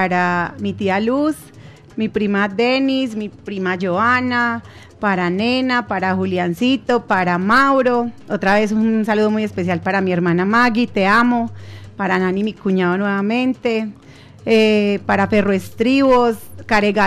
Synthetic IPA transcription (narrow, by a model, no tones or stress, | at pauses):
aɾamit̪ialus | mipɾimad̪e̞nismipɾimad͡ʒoana | paɾane̞napaɾaxuljansit̪o̞paɾamawɾoo̞t̪ɾaβe̞sunsaluðo̞muje̞spe̞s̬jalpaɾamie̞ɾmãnamaɡit̪e̞amopaɾananimikuɲaðonwe̞βamẽ̞nt̪e̞ | epaɾafe̞roest̪ɾiβoskaɾeɣa